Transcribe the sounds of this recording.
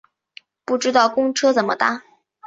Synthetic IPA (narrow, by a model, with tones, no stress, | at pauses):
pu˥˩ʈ͡ʂɻ̩˥t̪ɑ˥˩ʊkʊ˥ŋʈ͡ʂʰɤ˥t͡sə˨˩nmə̰˦t̪a˥˩